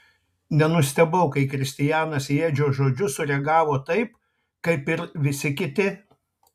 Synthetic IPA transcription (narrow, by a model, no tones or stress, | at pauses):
nʲɛnʊsʲt̪ʲɛbɐʊkɐɪkɾʲɪsʲt̪ʲɪjæːnɐsjeːd͡ʒʲoːʒoːd͡ʒʲʊsʊɾʲɛɡɑːʋoːt̪ɐɪp | kɐɪpɪɾʋʲɪsʲɪkʲɪt̪ʲɪ